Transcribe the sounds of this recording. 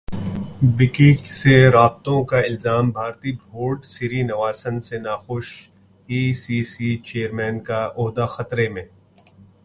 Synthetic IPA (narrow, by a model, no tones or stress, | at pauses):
bɪkĩkseɾaːb̚t̪õkaɪlzaːmbʱaːɾt̪ibʱoːɾɖsiɾinɐʋaːsənsenaːxʊʃ | iːsiːsit͡ʃeːəɾmɛːnkaʔʊɦd̪axɐt̪ɾemẽː